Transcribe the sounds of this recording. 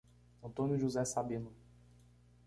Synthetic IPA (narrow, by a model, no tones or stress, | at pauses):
ɐ̃nt̪õnjʊʒuzɛsabĩnʊ